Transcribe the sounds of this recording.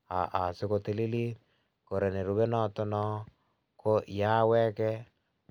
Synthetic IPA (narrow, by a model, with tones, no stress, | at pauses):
a̰˨ʔa˨sɪ˦ko˨te˦li˦li˦t | ko˨ɾe˨ne˨ɾu˦βe˦nɔ˦tɔ˦nɔ˦ | kʰo˦ja˦wɛ˦kɛ˦